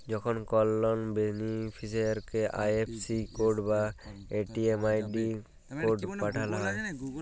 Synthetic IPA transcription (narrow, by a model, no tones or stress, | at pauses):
d͡ʒɔkʰɔnkɔlːɔnbenipʰisɔɾkɛʔa̰jepʰsikoɾɖbaeʈiemajɖi | koɖpaʈʰalaɦɔj